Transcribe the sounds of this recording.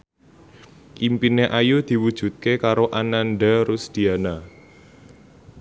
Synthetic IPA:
kimpineʔajud̪̥i̤wud̥ʒ̥ṳt̪̚kekaɾoʔananɖaɾʊsd̪̥i̤ana

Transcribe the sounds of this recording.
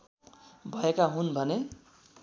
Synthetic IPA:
bʱʌekaɦunbʱʌne

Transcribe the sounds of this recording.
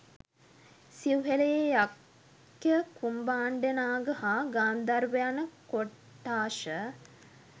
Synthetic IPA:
siuɦeleejak | jəkumbaːɳɖenaːɡəhaːɡaːnd̪arʋejanəkoʈːaːʃə

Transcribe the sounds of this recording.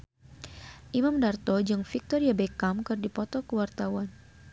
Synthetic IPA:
ʔimamdart̪ɔd͡ʒɨŋfik̚t̪ɔɾiabekamkɨrdipɔt̪ɔkəwart̪awan

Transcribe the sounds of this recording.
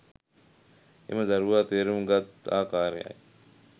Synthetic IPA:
ḛmɐd̪ɐɾuʋaːt̪eːɾumɡat̪a̰ːkaːɾḛa̰j

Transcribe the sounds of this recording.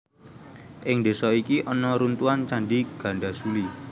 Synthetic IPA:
ʔɪŋd̪e̤sɔikiʔɔnɔɾunt̪uant͡ʃaɳɖiɡ̥ä̤ɳɖasuli

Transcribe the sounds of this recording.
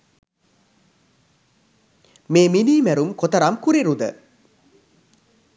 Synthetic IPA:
meːminiːmæɾumkot̪əɾamkuɾiɾud̪ə

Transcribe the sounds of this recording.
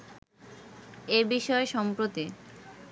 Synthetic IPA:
ebiʃɔeʃɔmpɾot̪i

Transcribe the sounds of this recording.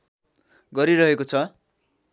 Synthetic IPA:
ɡʌɾiɾʌɦekot͡sʰʌ

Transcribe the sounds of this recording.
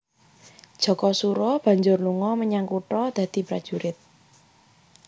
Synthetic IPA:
d̥ʒ̥ɔ̤kɔsuɾɔb̥a̤ɲd͡ʒʊrluŋɔməɲaŋkuʈɔd̪̥ä̤d̪̥i̤pɾad̥ʒ̥ṳɾɪt̪̚

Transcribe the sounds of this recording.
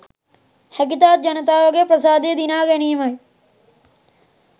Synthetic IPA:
hɐkit̪aːt̪̚d͡ʒɐnɐt̪aːʋɐɡepɾɐsaːd̪ed̪inaːɡɐniːmɐj

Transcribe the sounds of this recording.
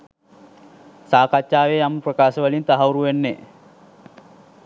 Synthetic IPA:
saːkat͡ʃːaːʋejaməprəkaːʃəʋəlint̪aɦauɾuʋenːe

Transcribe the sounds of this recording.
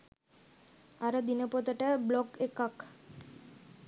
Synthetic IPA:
aɾəd̪inəpot̪əʈəbloɡekak

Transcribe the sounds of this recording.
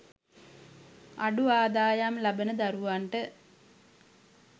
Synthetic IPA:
a̰ɖuaːd̪aːjamlabənəd̪aɾuʋaɳʈə

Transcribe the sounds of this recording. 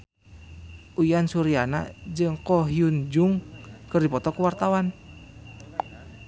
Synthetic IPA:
ʔujansuɾiana̰d͡ʒɨŋkɔɦiund͡ʒuŋkɨrdipɔt̪ɔkuwart̪awan

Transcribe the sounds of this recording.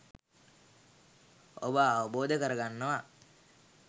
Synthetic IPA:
o̰bəːʋəboːd̪əkəɾəɡanːəʋa

